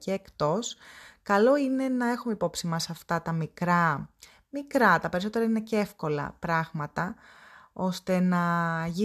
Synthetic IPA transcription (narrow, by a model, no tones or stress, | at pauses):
ceːkt̪o̞skɐlo̞ine̞nɐe̞xume̞ipo̞psimɐsɐft̪ɐt̪ɐmikɾɐ | mikɾɐt̪ɐpe̞ɾiso̞t̪eɾɐine̞cee̞fko̞lɐ̰pɾɐɣmɐt̪ɐ | o̞st̪e̞nɐʝi